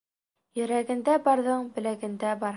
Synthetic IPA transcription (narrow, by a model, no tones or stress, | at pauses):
jɵ̆ɾæɡɘ̆nd̪æbɑɾðɤɴbɘ̆læɡɘ̆nd̪æbɑɾ